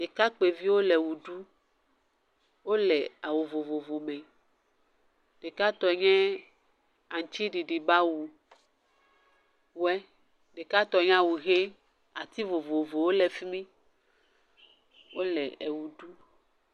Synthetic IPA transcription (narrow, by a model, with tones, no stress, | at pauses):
ɖe˨ka˦k͡pe˨vi˦wo˦lɛ˨wu˨ɖu˦ | wo˦lɛ˨a˨wo˨vo˨vo˨vo˨mɛ̃˨ | ɖ̥e˨ka˦t̪ɔ˨˦ɲɛ̃˦ | a˨ŋ˨t͡ʃi˦ɖi˨ɖi˨ba˦wu˨ | wwɛ˦ | ɖe˨ka˦t̪ɔ˨˦ɲ˦ã˦wu˨ɣe˦ | a˨t̪i˦vo˨vo˨vo˨wo˦lɛ˨fi˦mĩ˦ | wo˦lɛ˨e˨wu˨ɖu˦